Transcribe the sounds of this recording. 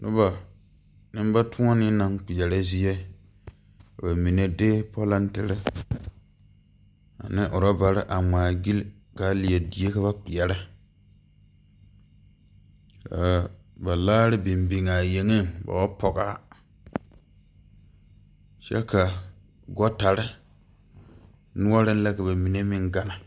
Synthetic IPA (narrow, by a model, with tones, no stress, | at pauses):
nʊ̰˦ba˨ | nɪ˦m˦ba˦tʊ˦a˦nɪ˦na˨ŋk͡pi˨ɛ˨ɾa˦zi˦jɛ˦˨ | ba˨mi˨ne˦deː˦pɔ˦la˦ntɪ˦ɾɪ˦ | a̰˨nɪ˦ʔʊ˨ɾa˦ba˨ɾɪ˦ʔa˨ŋ͡maː˨ɡi˦l | ka˨˦li˨jɛ˨di˨je˦ka˦βa˦k͡pi˨jɛ˨ɾɪ˦ | ka˨ | ba˨laː˦ɾɪ˦bi˨mbi˨ŋa˨je˨ŋe˦ba̰˨wa˦pɔ˨ka˦ | ʃɛ̰˦ka˨ | ɡɔ˦ta˨ɾɪ˦ | nʊ˦a˦ɾɪ˦n˦la˦ka˨ba˨mi˨ne˦mɪ˦ŋɡa˦na˨